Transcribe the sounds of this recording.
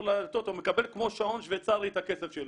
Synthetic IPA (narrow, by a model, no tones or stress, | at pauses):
lat̪ot̪omekabe̞lkmoʃaonʃvet͡saɾit̪akesefʃel